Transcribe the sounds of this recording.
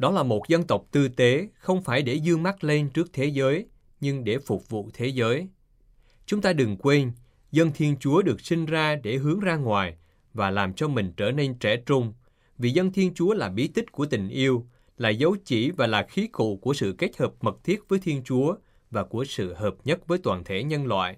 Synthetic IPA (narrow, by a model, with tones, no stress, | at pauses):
ɗɔ˨˦laː˨˩mo˨˩t̚zə˧nt̪ə˨˩wk͡p̚t̪ɨ˧t̪e˨˦xə˧wŋ͡mfaː˧˩jɗe˧˩zɨ˧əŋma˦˥t̚le˧nt͡ɕɨ˦˥ək̚t̪ʰe˨˦zəː˨˦j | ɲɨ˧ŋɗe˧˩fʊ˨˩k͡p̚vṵ˧˨t̪ʰe˨˦zəː˨˦j | t͡ɕʊ˨˦ŋ͡mt̪aː˧ɗɨ˨˩ŋkwe˧n | zə˧nt̪ʰi˧ənt͡ɕu˨˦əɗɨ˨˩ək̚sï˧ŋ̟zaː˧ɗe˧˩ɦɨ˨˦əŋzaː˧ŋwaː˨˩j | vaː˨˩laː˨˩mt͡ɕɔ˧mï˨˩ŋ̟t͡ɕəː˧˩ne˧nt͡ɕɛ̰˧˩t͡ɕʊ˧ŋ͡m | vḭ˨˩zə˧nt̪ʰi˧ənt͡ɕu˨˦əlaː˨˩ɓi˨˦t̪ï˦˥k̟̚ku˧˩ət̪ï˨˩ŋ̟ʔi˧əw | laː˨˩zə˨˦wt͡ɕi˧˩vaː˨˩laː˨˩xi˨˦kṵ˧˨ku˧˩əsɨ̰˧˨ke˦˥k̚həː˨˩p̚mə˨˩k̚t̪ʰi˦˥ət̚vəː˨˦jt̪ʰi˧ənt͡ɕu˨˦ə | vaː˨˩ku˧˩əsɨ̰˧˨həː˨˩p̚ɲə˦˥t̚vəː˨˦jt̪waː˨˩nt̪ʰe˧˩ɲə˧nlwa̰ː˧˨j